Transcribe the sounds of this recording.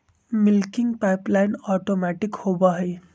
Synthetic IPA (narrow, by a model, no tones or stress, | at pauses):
milkiŋɡpajplajnɔʈomaʈikhobʌɦʌj